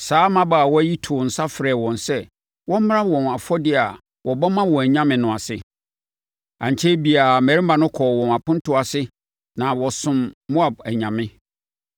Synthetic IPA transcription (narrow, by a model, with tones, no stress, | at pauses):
saː˨˦mã˦baː˨wɔ˦æ˦ji˦tʰʊ˨n̩˨sa˦fɾɛ˨wɔ̃˨nsɛ˦ | wɔ̃˦m̩˦m˦ɾã˦wɔ̃˨na˨fɔ˦dɪ˦a˨ | wɔ˨bɔ˦mã˦wɔ̃˨æ˨ɲã˦mɪ̃˨nʊ̃˨a˨sɪ̰˨ | ã˨ɲ˨t͡ɕʰe˦bi˨a˨mæ˨ɾi˦mã˨nʊ̃˦kʰɔ˨wɔ̃˨na˨pʊ̃˦n˦tʊ˦a˨sɪ˦ | nã˨wɔ˨sʊ̃˨mːo˦a˨b̚æ˨ɲã˨mɪ̃˦